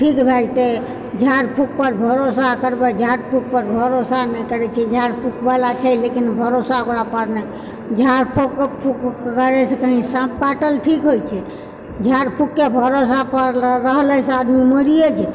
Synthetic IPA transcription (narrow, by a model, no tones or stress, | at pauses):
ʈʰikbʱɛd͡ʒt̪e | d͡ʒʱaɾpʰuk̚pəɾbʱəɾosakəɾbɛd͡ʒʱaɾpʰuk̚pəɾbʱəɾosanɛkəɾɛt͡ʃʰɛd͡ʒʱaɾpʰukbalat͡ʃʰɛlekinbʱəɾosaoɡɾapəɾnɛ | d͡ʒʱaɾpʰokpʰukkəɾɛsekəɦĩsãpʰkaʈəlʈʰikɦojt͡ʃʰɛ | d͡ʒʱaɾpʰukːebʱəɾosapəɾːəɦlɛsead̪miməɾijed͡ʒʰɛ